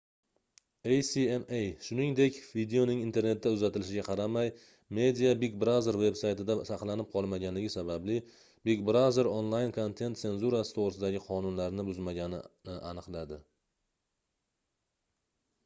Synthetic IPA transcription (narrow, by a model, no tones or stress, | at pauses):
ejsiemejʃʊnɪŋd̪e̞kʲvid̪eo̞nɪŋint̪ʰe̞ɾne̞t̪̚ːaʊzat̪ʰɪlɪʃɪɡʲaqʰɑɾamaj | me̞d̪ijabikbɾawze̞ɾve̞bsajt̪ɪd̪asɑqlˠanɪp̚qʰɒlˠmaɡʲanlɪɡʲɪsabablɪ | bikbɾaze̞ɾonlˠajnkʰo̞nt̪ʰe̞nt̪se̞nzuɾasɪt̪ʰoʁɾɪsɪd̪aɡʲɪqʰɒnʊnlaɾnɪbʊzmaɡʲanɪ̰nɪʔanɨqlˠad̪ɪ